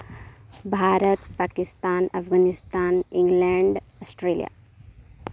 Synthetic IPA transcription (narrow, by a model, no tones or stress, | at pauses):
bʱaːɾət̪pakist̪aːnɐfɡaːnist̪aːniŋɡleɳɖəsʈɾeːlḭja̰